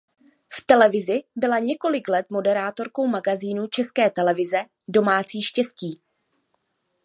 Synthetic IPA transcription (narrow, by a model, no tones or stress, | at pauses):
ft̪ɛlɛvɪzɪbɪlaɲɛko̞lɪklɛt̪mo̞dɛɾaːt̪o̞ɾko̞wmaɡaziːnut͡ʃɛskɛːt̪ɛlɛvɪzɛ | do̞maːt͡siːʃcɛsciː